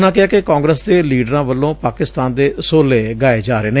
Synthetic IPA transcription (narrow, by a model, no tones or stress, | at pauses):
nãːkɪɦaːkɪkãːŋɡɾəsd̪eːliːɖɾãːʋəlːõːpaːkɪst̪aːnd̪eːsoːleːɡaːeːd͡ʒaːɾeːneː